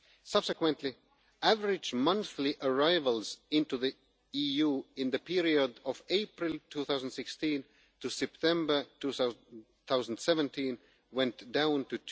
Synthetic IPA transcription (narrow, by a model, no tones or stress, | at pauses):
sʌb̥sɨkwə̃ntʰˡli | ʔævə˞ɪd͡ʒmʌ̃nθliʔə˞aɪvəlˠz̥ɪ̃ntuði | ijuɪ̃nðɨpʰiɹiədʌveɪpɹɪlˠtʰuθaʊz̃n̩d̥sɪkstĩn | tusɛp̚tʰɛ̃mbə˞tʰu | θaʊzn̩dsɛvə̃ntʰĩn | wɛ̃ntd̥ãʊ̃ntɨ